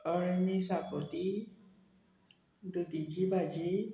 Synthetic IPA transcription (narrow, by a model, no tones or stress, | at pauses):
əɭmisapot̪i | d̪ud̪id͡ʒibad͡ʒi